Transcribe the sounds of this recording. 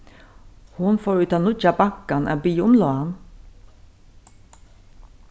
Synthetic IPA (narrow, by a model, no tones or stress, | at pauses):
hʊnfoːɹʉːt̪ʰɑnʊt͡ʃɑbɑkanʔæ̰ːbyːʊmloːan